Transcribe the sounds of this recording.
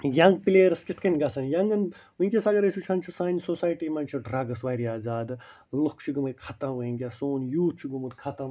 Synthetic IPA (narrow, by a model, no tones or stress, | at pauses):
jɐ̃ŋɡ̚pileːɾɐskʲit̪̚ʰkɐnʲɡɐsɐnjɐŋɡɐnʋũikʲesɐɡɐɾɐsut͡ʃʰɐnt͡ʃʰusaːnʲsosaːjʈimɐnt͡ʃʰuɖɾaːɡɐsʋajɾiaːzaːd̪ | lokt͡ʃʰuɡɨmɨkʰɐt̪ɐ̃ʋɐiŋɡʲasoːnjuːt͡ʃʰuɡumud̪kʰɐt̪ɐm